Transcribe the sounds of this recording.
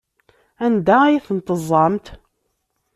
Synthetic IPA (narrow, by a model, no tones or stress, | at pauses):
ænd̪æjiθənt̪əzˤːɑmt̪